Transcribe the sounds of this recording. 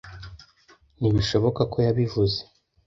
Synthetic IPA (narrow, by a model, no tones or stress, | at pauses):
niβiʃo̞βo̞kako̞jaβivuze